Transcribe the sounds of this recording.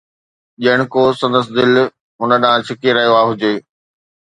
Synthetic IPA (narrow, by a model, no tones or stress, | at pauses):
ʄiəɽ̃ɪ̆kosɐ̃nd̪əs̬ɪd̪ɪl | ɦʊnə̆ɗãːt͡ɕʰɪkeɾɐɦjoaːɦʊd͡ʑeː